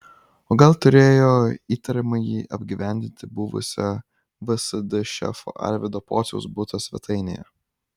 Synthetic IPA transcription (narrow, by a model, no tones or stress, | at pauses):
oːɡɐlˠt̪ʊɾʲeːjoːiːt̪ɐɾʲɪmɐjiːʔɐbʲɡʲiʋʲæˑnʲd̪ʲɪnʲt̪ʲɪbʊʋʊ̰sʲɛ | ʋɪsɐd̪ʲʊʃʲɛ̰fo̰ʔɐ̰lʲʋʲɪd̪oːpoːt̪sʲɛʊsbʊt̪ɐsʲʋʲɛ̰t̪ʰɐɪnʲḛjɛ̰